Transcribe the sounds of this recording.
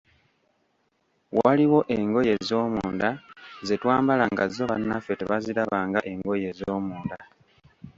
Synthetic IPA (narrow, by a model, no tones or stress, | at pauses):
waliwo̞ʔe̞ŋɡo̞je̞zo̞ːmuːndazetwaːmbalaŋɡazoβa̰nːafe̞teβazilaβaːŋɡaʔe̞ŋɡo̞je̞zoːmuːnda